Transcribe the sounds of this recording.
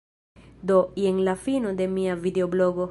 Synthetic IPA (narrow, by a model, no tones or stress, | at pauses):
d̪o̞ienlafinod̪e̞miavideobloɡo